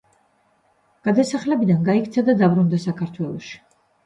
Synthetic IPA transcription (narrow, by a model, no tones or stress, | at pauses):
ɡ̥ad̪asaχlɛbid̪anɡaikʰt̪sʰad̪ad̪abɾund̪asakʰaɾt̪ʰwɛlˠɔʃi̥